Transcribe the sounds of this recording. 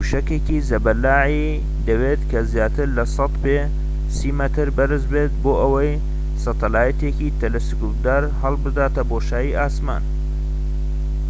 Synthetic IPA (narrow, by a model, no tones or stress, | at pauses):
uʃɐkekizɐbɐlːaːʕi | d̪ɐweːt̪kʰɐzjaːt̪ʰɨɾlɐsɐt̪pe | siːmɐt̪ɨɾbɐɾɨzbet̪̚boːʔɐwɐj | sɐt̪ʰɐlaːjɐt̪ekit̪ʰɐlɐsɪkup̚d̪aːɾhɐlˠbɨd̪aːt̪ɐboːʃaːjiʔaːsma̰ːn